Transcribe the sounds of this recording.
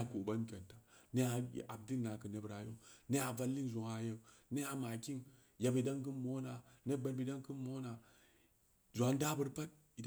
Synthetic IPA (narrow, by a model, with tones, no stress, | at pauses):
a˨ku˨ba˦n˦kʲe˨nta˨ne˦a˨a˨b̚di˦lna˨kə˨ne˦bɾa˨jo˦ne˦a˨va˦lːi˦nzo˨ŋa˨je˨ne˦a˨ma˨ki˦n | ja˨bə˨˦da˦ŋkɨ˦nmo˦na˨ne˦ba˨ɾbi˨˦da˦ŋkɨ˦nmːo˦na˨ | zu˨a˨˦nda˦bə˦ɾpa˦t̚ | i˨d